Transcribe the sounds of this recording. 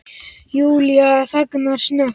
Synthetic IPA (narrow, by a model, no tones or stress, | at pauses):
juljasaknaʃna